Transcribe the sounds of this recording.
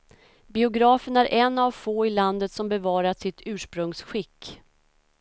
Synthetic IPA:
bɪʊɡɾɑːfənæɾʔɛnːavfoːɪland̪ət̪sɔmbɛvɑːɾasɪt̪ʰʉ̟ːʂpɾɵŋsɧɪkː

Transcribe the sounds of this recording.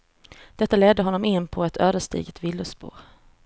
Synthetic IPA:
d̪̥ɛt̪ːalɛd̪ːəɦɔnːɔmɪnːpʰɔɛt̪ʰøːvəʂt̪ḭːɡət̪vɪlːʊspṵːɾ

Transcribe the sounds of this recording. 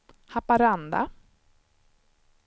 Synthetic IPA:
hapaɾand̪a̰

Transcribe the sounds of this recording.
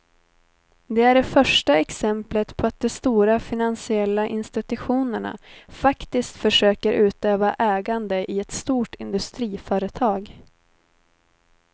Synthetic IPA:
d̪ɛæɖɛfœʂʈaɛksɛmplət̪pʰɔat̪̚d̪ɔst̪uːɾafɪnansɪɛlːaʔɪnst̪ɪt̪ɵɧuːnəɳa̰fakt̪ɪskt̪fœʂøːkəɾʔʉ̟ːt̪øːvaʔɛːɡand̪əʔɪɛt̪st̪uːʈʰɪnd̪ɵst̪ɾiːfœːɾət̪ʰɑːɡ

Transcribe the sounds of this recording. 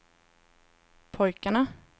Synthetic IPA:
pʰɔjkaɳa

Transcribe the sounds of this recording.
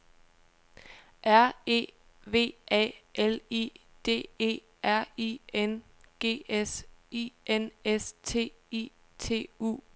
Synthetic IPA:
ʔæɐ̰e̝̰ː | ʋe̝̰ːɛ̰ːʔelḭː | d̥e̝̰ːe̝̰ː | æɐ̰ienɡ̥e̝̰ːesiʔenest͡sʰe̝̰ːḭ | t͡sʰe̝̰ːṵː

